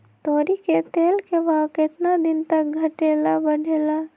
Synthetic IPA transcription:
t̪oːɾiket̪eːlkebaːkɪt̪nad̪ɪnt̪ɐk̚ɡʱɐʈeːlabɐɽ̤ʱeːla

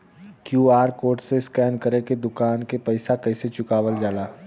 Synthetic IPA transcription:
kjuːaːɾkoːɾʈseskɛːnkəɾeked̪ʊkaːnkepɐɪsakɐɪset͡ʃʊkaːʋəld͡ʒaːlaː

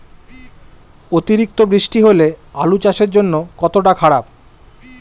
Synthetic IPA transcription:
ot̪iɾik̚t̪obɾiʃʈiɦolealut͡ɕaʃeɾd͡ʑonːokɔt̪oʈ̬akʰaɽab̚

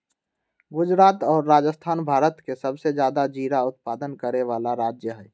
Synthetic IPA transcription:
ɡʊd͡ʒɾaːt̪ɔːɾːaːd͡ʒəst̪ʰaːnbʱaːɾət̪kesɐbsed͡ʒjaːd̪ad͡ʒiːɾaʊt̪̚paːd̪ənkəɾeʋaːlaɾaːd͡ʒjəɦɛː

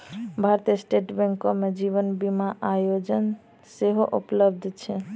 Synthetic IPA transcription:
bʱaɾt̪iəsʈeʈbɛŋkomed͡ʒiβənbimaʔajod͡ʒən | seɦoʔupləbd̪ʱt͡ʃʰɛ

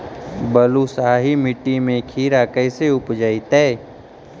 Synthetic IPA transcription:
bəlusaːɦimɪʈːimẽkʰiːɾakəɪseʊpd͡ʒəit̪ɛː

